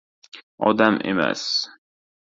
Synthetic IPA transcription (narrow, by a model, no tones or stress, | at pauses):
ɒ̰d̪amʔḛma̰s